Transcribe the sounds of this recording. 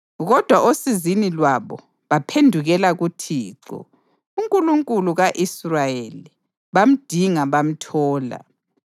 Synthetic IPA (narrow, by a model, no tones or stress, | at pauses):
ɣɔd̥ʱwaʔosizinilwaβɔ̰ | βapʰendʱuɣɛlaɣutʰiːǁɔ̰ | uŋkʼuluŋkʼuluɣaʔisrajeli | βam̩d̥ʱiŋaβam̩tʰɔːla̰